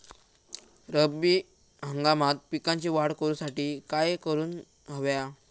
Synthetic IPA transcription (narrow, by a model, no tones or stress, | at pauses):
ɾəbi | ɦəŋɡamat̪̚pikãɲt͡ɕiʋaɽkəɾusaʈiːkajkəɾuːn | ɦəʋja